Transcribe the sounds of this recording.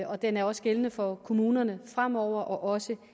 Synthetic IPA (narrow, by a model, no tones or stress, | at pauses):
ɒ̽d̥enæɐɒ̽sɡ̥elənəfɒ̽kʰo̝muːnɐnəfʁam̰ɒʊ̰ɐʔɒ̽ʔɒ̽sə